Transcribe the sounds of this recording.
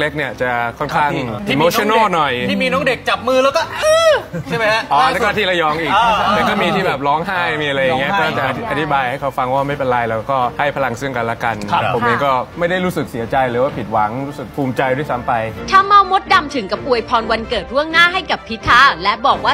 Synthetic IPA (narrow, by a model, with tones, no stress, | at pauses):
le˦˥k̚ni˥˩ət͡ɕa˨˩kʰɔ˥˩kʰaː˥˩ŋi˧mo˧t͡ɕʰːnoː˥˨˩nɔ˨˩j̪ʰiː˥˩miː˧nɔː˦˥ŋde˨˩k̚t͡ɕa˨˩p̚mɯː˥˩˨lɛː˦˥wkɔː˥˩ʔɤː˧t͡ɕʰa˥˩jma˧˦jla˦˥ʔɔː˧˦ɛː˥kɔː˥˩t̪ʰiː˥˩la˧jɔː˧ŋʔiː˨˩lɛː˧˥kɔː˥˩miː˧t̪ʰiː˥˩bɛː˨˩p̚lɔː˦˥ŋɦaː˥˩jmiː˧a˧ɾa˧ja˨˩ŋːi˦˥ɐ˧ɔː˥a˧˩t͡ɕa˨ʔʔa˧t̪ʰi˦baː˧jha˥˩jkʰa˦˥wfa˧ŋwaː˥˩ma˥˩jpe˧nɾa˧jlɛː˦˥wkɔː˥˩ha˥˩jpʰa˧la˧ŋsɯ˥˩əŋka˧nlaː˥˩ka˧nʰ˧˩o˨˦mniː˥˩kɔː˥˩ma˥˩jda˥˩jɾu˦˥sɯ˨˩k̚si˨˩˦ɐt͡ɕa˧jlɯː˩˦waː˥˩pʰi˨˩t̪̚wa˩˦ŋɾuː˦˥sɯ˨˩k̚pʰuː˧mt͡ɕa˧jdu˥˩˨jsa˦˥mpa˧jt̪ʰa˥˩mːa˦˥˩wmo˦˥t̪̚da˧mt̪ʰɯ˩˦ŋka˧p̚ʔu˧˩əjpʰɔː˧nwa˧nkɤː˨˩t̪̚ɾu˥˩əŋnaː˥˩˨ɦa˥˩jka˨˩pʰːi˦˥t̪ʰaː˥˩lɛ˦˥bɔː˨˩k̚waː˥˩